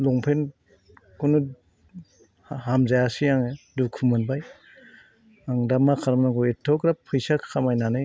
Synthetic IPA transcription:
lɔŋpʰen | kunu | ɦamzajasijaŋedukʰumɯnbaj | aŋdamakʰaɾmnaŋkɔetʰːɔkɾapʰɯjsakʰamajnanɯj

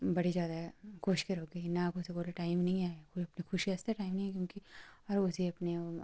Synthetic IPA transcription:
bɐɽizjaːd̪aɦɛɡoːʃkeɾoːkɡɐinakoʊseɡoːleʈaːɪmnɐɦĩaːekʊɐpnexʰʊʃiɛːst̪eʈaːɪmnɐɦĩkjõːkiɐɾʊsiɐpne

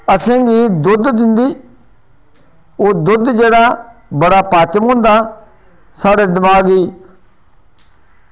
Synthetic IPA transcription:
əsẽːɡiːd̪ʊd̪d̪ɪnd̪iː | oːd̪ʊd̪d͡ʒeːɽaːbəɽaːpaːt͡ʃəmɦʊ̃ːnd̪aː | saːɽeːd̪əmaːɡiː

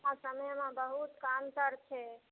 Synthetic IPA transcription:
asəməjmãbəɦut̪kamt̪əɾt͡ʃʰɛ

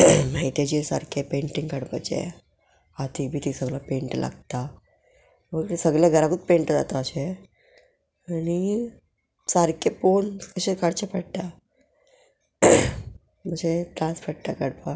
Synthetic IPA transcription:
maɦit̪jat͡ɕisa̰ɾkʰepeɳʈĩŋɡkəɽpa̰t͡ɕḛ | at̪ʰik̚bʱiːt̪ʰisəɡlapẽɳʈla̰ɡt̪a | məɡɾesəɡljaɡʱəɾakut͡s̪peɳʈd͡za̰t̪aəɕe | ani | saɾkʰeponkəɕekaɽt͡ɕapəɽt̪a | məseʈ̪ɾãspʰəɽʈ̪akəɽpa

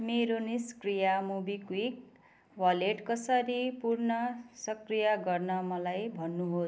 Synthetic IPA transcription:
meɾoniskrijamubikwik̚ | wʌleʈkʌsʌɾipurnʌsʌkrijʌɡʌrnʌmʌlajbʱʌnːuɦo

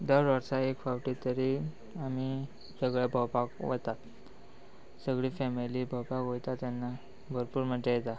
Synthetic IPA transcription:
d̪əɾʋəɾsaekfawʈit̪əɾi | ami | səɡɭabʱəwpakʋət̪at̪ | səɡɭiːfɛmiliːbʱəwpakɦojt̪at̪janːa | bʱəɾpuːɾm̤əɳd͡ʑejet̪a

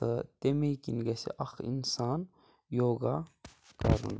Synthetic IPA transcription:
ɐt̪emekinɡɐsḛʔɐxḭnsaːn | joːɡakɐ̰ɾṵn

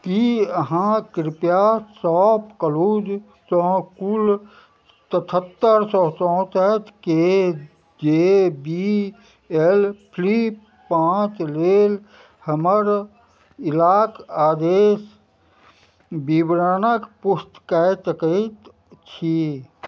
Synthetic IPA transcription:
kiəɦãkɾɪpjasɔːpkəlud͡ʒ | t̪ɔ̃kul | t̪ət̪ʰət̪ːəɾsɔːsɔ̃t̪ət̪ke | d͡ʒebi | elpʰlip | pãːt͡ʃleːl | həməɾ | ɪlaːkaːd̪eːs | bibɾaːnəkpʊst̪kɛt͡ʃəkəit̪ | t͡ʃʰi

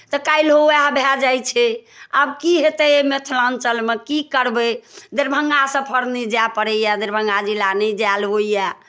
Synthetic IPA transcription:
t̪ɔkailɦojabʱad͡ʒajt͡ʃʰɛəbkiɦet̪ɛmet̪ʰlãnt͡ʃəlmekikəɾbɛd̪eɾbʱəŋɡasəpʰəɾnid͡ʒapəɾəjad̪eɾbʱə̃ŋɡad͡ʒilanəd͡ʒalɦoija

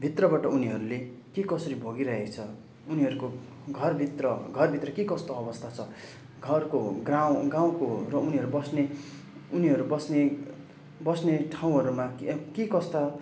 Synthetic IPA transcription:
bʱit̪rʌbaʈʌuniɦʌɾule | kekʌsʌɾibʱoɡiɾʌɦekt͡sʰʌ | uniʌɾuko | ɡʱʌrbʱit̪rʌɡʱʌrbʱit̪rʌkekʌst̪oʌbʌst̪ʰat͡sʰʌ | ɡʱʌrkoɡraw̃ɡãw̃korʌuniɦʌɾubʌsne | uniɦʌɾubʌsne | bʌsneʈʰaw̃ɦʌɾumakkekʌst̪a

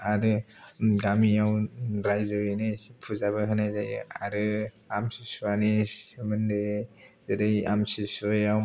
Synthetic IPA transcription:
aɾɯɡamijawɾajzɔinɯpʰuzabɯɦɯnajzajɯa̰ɾɯ | amsisuaniɯmɯndɯzɯɾɯja̰msisujaw

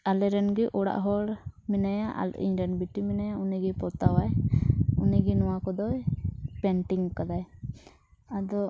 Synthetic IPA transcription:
alɛɾɛnɡɛʔɔɽa̰ʔɦɔɽmɛnajaʔa̰lʔḭɲɾɛnbiʈimɛnajauniɡɛpɔɾt̪awajuniɡɛnɔwakɔd̪ɔpɛnʈiŋkad̪aj | ad̪ɔ

